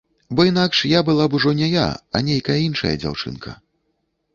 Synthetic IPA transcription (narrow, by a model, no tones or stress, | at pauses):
bɔinakʂjabɨlˠabuʐɔnʲɛja̰ɐ̰nʲejkɐjɐinʂɐ̰jɐ̰d͡zʲa̰wt͡ʂɨ̰nkʰɐ̰